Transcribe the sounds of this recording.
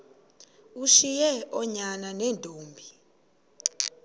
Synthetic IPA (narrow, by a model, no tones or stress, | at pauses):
uʃijɛʔɔɲananɛntʼoːmbʱi